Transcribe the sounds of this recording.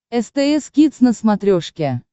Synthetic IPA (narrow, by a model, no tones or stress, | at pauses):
ɛst̪ɛɛskʲit̪snəsmɐt̪ɾʲoʂkʲe